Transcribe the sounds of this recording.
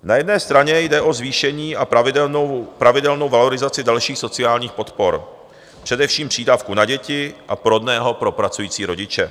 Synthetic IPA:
najɛdnɛːst̪ɾaɲɛjdɛʔo̞zviːʃɛɲiːa | pɾavɪdɛlno̞wvalo̞ɾɪzat͡sɪdalʃiːxso̞t͡sɪaːlɲiːxpo̞t̪poɾ | pr̝̥ɛdɛfʃiːmpr̥iːdaːfkunaɟɛcɪʔapɾodnɛːɦo̞pɾo̞pɾat͡sujiːt͡siːɾo̞ɟɪt͡ʃɛ̰

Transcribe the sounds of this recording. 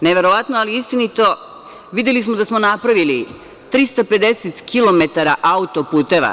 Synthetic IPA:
neʋe̞ɾo̞ʋat̪noaliist̪init̪o̞ | ʋid̪jelismod̪asmo̞napɾaʋili | t̪ɾist̪ape̞d̪e̞set̪kʰilo̞me̞t̪aɾaʔaut̪o̞puːt̪e̞ʋa̰

